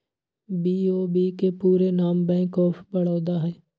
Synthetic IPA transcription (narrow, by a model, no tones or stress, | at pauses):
biːoːbiːkepuːɾenaːmbɛ̃ːkɔːpʰbɐɽoːd̪aɦɛː